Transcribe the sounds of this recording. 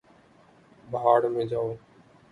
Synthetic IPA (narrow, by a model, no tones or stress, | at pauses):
bəɦaːɽmẽːd͡ʒaːoː